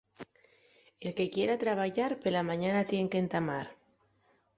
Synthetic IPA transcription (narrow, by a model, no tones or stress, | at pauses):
e̞lke̞kjeɾat̪ɾaβ̞aʝaɾpelamãɲanat̪je̞ŋkent̪amaɾ